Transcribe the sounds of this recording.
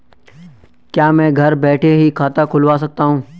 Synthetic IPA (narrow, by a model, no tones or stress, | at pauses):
kjaːmɛ̃ːɡʱɐɾbɛːʈʰeɦikʰaːt̪akʰʊlʋaːs̬ɐk̚t̪aɦũː